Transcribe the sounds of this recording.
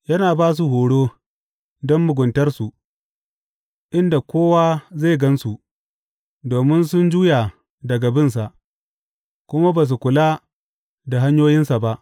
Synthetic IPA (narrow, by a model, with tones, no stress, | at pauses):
jɐ˦naː˨baː˦s̬u˨ɦoː˨ɽoː˦ | dɔ˦mːʊ˨ɡʷʊ˨ntɐ˦rsu˨ | ʔɪ˦nda˨kʷoː˦waː˦za˦˨ɡɐ˦nsu˨ | doː˨mɪ˦nsʊ˦nd͡ʒuː˦ja˨ | dɐ˨ɡa˨bɪ˦ns̬a˨ʔ | kʷʊ˦ma˦baː˨s̬u˨kʷʊ˨la˦ | da˨ɦa˦ɲjoː˦jɪ˦nsa˨ba˦ʔ